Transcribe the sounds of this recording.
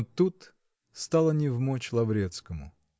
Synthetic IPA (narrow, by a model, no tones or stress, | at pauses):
t̪ut̪ | st̪alˠənʲɪvmot͡ɕlˠɐvɾʲet̪skəmʊ̰